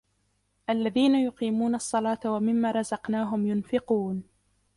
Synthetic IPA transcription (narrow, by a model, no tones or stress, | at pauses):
ʔalːaðiːnajʊqiːmuːnɑɑsˤːɑlɑːt̪awamɪmːaːɾˤɑzɑqnaːɦʊmjʊnfɪquːn